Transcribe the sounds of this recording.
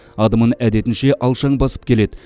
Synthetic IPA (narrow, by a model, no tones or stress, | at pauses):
ɑd̪əmənæd̪e̞t̪ɪnʃe̞ʔɑlˠʃɑɴbɑsə̥p̚kʲʰele̞d̪ɪ